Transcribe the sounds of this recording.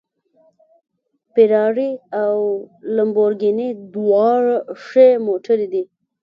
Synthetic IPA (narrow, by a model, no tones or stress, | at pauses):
pɪɾɑɽiawləmboɾɡined̪wɑɾʂemoʈʰəɾid̪i